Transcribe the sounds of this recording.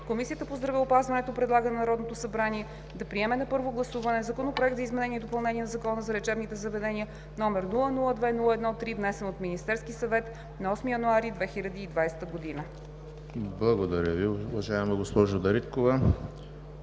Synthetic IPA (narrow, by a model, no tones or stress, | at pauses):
komisiət̪əpozd̪ɾɐviopazvɐnɛt̪opɾɛd̪lˠaɡənnɐɾɔd̪not̪osɐbɾaniɛ | d̪ɐpɾiɛmɛnɐpɤɾvoɡlˠɐsuvɐnɛzɐkonopɾoɛk̚t̪zəizmɛnɛniɛd̪opɐlˠnɛniɛnɐzɐkɔnəzɐɾɛt͡ʃɛbnit̪ɛzɐvɛd̪ɛniə | nɔmɛɾnulˠənulˠəd̪vɛnulˠəɛd̪nɔt̪ːɾivnɛsɛnot̪minist̪ɛɾskisɐvɛt̪ | nɐɔsmijɐnuaɾid̪vɛxiʎʲəd̪iːd̪vajsɛ̥t̪əɡod̪inə | blˠɐɡod̪ɐɾʲjəviʊvɐʒaɛmɛɡospɔʒod̪ɐɾit̪kovə